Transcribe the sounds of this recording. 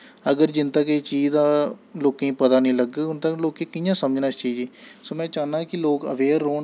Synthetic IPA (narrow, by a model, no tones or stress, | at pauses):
əɡəɾd͡ʒɪnt̪əket͡ʃiːd͡ʒd̪aːloːkẽĩːpət̪aːnĩːləɡʊnt̪əloːkeːkɪjãːsəməd͡ʒnaːɪst͡ʃiːd͡ʒeːsoːmɛ̃ːt͡ʃaːnãːkɪloːkə̰ʋeːɾːoː